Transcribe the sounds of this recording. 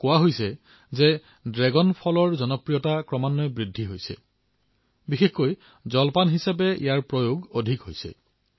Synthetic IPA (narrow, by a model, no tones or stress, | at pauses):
kʊwaɦojsɛ | zɛ | dɹɛɡɔnpʰɔlɔɹzɔnɔpɹijɔtakɹɔmanːɔbɹidʱːiɦojsɛ̰ | bixexkoj | zɔlpanɦisapɛḭjaɹpɹojoɡodʱikɦojsɛ̰